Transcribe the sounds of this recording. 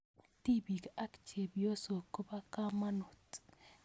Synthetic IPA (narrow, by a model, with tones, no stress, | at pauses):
ti˦bi˨ka˦kt͡ʃe˨bjo˦so˨ko˦ba˦ka˦ma˦no˨t